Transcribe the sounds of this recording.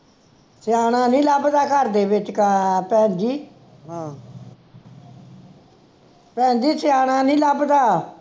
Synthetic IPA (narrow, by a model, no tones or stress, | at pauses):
sɪjaːñaːnĩːləbd̪aːkəɾd̪eːbɪt͡ʃkapɛ̃ːnd͡ʒ̪iː | ɦãː | pɛ̃ːnd͡ʒ̪iːtɪjaːɽ̃ãːnĩːləbd̪aː